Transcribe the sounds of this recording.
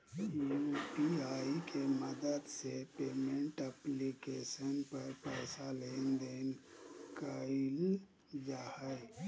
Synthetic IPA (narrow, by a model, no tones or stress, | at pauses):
jupiaːikeməd̪əd̪sepeːmẽɳʈəplikesənpəɾpəɪsaleːnd̪enkəil | d͡ʒahə